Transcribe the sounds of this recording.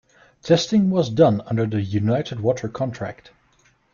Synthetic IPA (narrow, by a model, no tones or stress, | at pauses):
tʰɛstɪ̃ŋwʌzdʌ̃nʌ̃ndə˞ðɨjʉnaɪɾɨd̚wɔɾʰə˞kʰɑ̃ntʰɹ̥æ̰k̚t